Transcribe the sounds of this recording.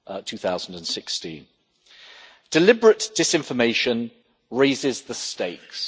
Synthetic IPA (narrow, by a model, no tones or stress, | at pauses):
tʰʉːθaʊzə̃n̩də̃nsɪkstĩn | d̥ɪlɪbɹəʔd̥ɪsɪ̃ɱfəmeɪʃə̃n | ɹeɪzɪzðəsteɪks